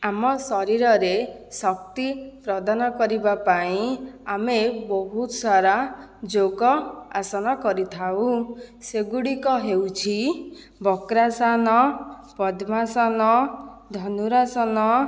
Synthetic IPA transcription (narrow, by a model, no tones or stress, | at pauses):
amɔsɔɾiɾɔɾesɔk̚t̪ipɾɔd̪anɔkɔɾibapaĩamebɔɦut̪saɾad͡ʒoɡɔa̰sɔnɔkɔɾit̪ʰaw̃ũseɡuɽikɔɦewt͡ʃʰi | bɔkɾasanɔpɔd̪ʱmasɔnɔd̪ʱɔnuɾasɔnɔ